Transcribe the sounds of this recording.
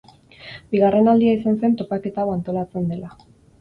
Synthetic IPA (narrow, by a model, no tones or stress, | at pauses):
biɣare̞nald̪iais̬anse̞nt̪o̞pake̞t̪awant̪o̞lat͡se̞nd̪e̞la